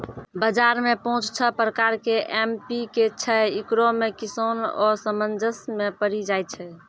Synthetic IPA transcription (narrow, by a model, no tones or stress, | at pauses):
bəd͡ʒaɾmepɔɦũt͡ʃt͡ʃʰəpɾəkaɾkeʔempiket͡ʃʰɛikɾomekisonɔsəmənd͡ʒəsmepəɾid͡ʒajt̪̚t͡ʃʰɛ